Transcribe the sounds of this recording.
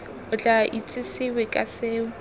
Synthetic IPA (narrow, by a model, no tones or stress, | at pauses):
hʊt͡ɬʼaʔit͡sʼɪsɪwɪkʼasɪːʊ